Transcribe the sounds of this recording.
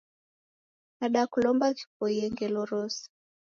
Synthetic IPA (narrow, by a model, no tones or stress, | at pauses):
naɗakulɔmbaki̥pɔiɛŋɡɛlɔɾɔsi̥